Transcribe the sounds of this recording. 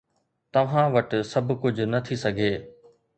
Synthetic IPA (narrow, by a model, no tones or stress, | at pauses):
t̪ɐʋ̤ãʋɐʈsɐbʱkʊd͡ʑʱʊnɐt̪ʰisɐɡʱeː